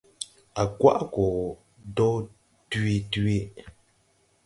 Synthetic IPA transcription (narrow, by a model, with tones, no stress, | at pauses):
a˨kwa̰˦ʔkɔ˨ | dɔ˦ | tɥi˦te˦